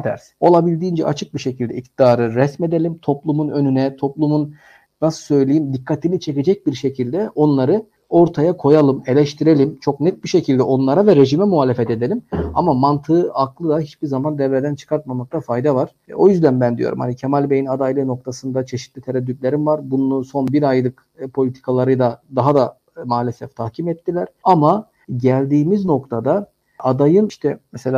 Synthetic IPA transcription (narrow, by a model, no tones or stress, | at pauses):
t̪ʰæ̰ɾso̞lˠabilʲd̪iːnd͡ʒɛ̰ʔa̰t͡ʃʰɯk̚biʃe̞cʰild̪ɛ̰ik̚t̪id̪aːɾɯɾɛsme̞d̪elʲimt̪ʰo̞plˠumunø̞nynɛt̪ʰo̞plˠumun | nasɯ̥sø̞jlʲejimd̪ikʰːat̪ʰinit͡ʃʰe̞ce̞d͡ʒɛc̚biɾʃe̞cʰilʲd̪ɛo̞nlˠaɾɯ | o̞ɾt̪ʰajakʰo̞jalˠɯme̞lʲɛʃt̪ʰiɾe̞lʲimt͡ʃʰo̞knɛt̪̚biʃe̞cʰilʲd̪ɛʔo̞nlˠaɾavɛɾe̞ʒimɛmuɦaːlʲefɛt̪e̞d̪elʲimamamant̪ʰɯɯʔaklˠɯd̪ahit͡ʃbiɾzamand̪ɛvɾed̪ænt͡ʃʰɯ̥kʰaɾt̪̚mamak̚t̪ˠafajd̪avaɾ̥o̞jyzd̪ænbænd̪ijo̞̰ɾṵmhanicʰemalʲbejinad̪ajlʲˠɯno̞k̚t̪ʰasɯnd̪at͡ʃʰe̞ʃi̥t̪lʲit̪ʰeɾɛd̪ːyt̪lʲe̞ɾimvaɾbununuso̞nbiɾajd̪ɯk | pʰo̞lʲit̪ʰi̥kʰalˠaɾɯjd̪ˠad̪aɦad̪a | maːlʲesɛft̪ʰahcʰimɛt̪ʰːilʲæɾ̥ama | ɟælʲd̪iːmizno̞kt̪ʰad̪a | ʔad̪ajɯnʃt̪ʰɛmɛse̞lʲaː